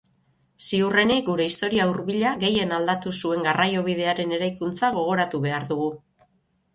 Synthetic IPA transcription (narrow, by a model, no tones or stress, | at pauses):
siure̞nik̚ɡuɾe̞ist̪o̞ɾiauɾβiʎaɣe̞je̞nald̪at̪usue̞ŋɡarajo̞β̞iðe̞aɾe̞ne̞ɾajkunt͡saɣ̞o̞ɣ̞o̞ɾat̪uβe̞aɾðuɣu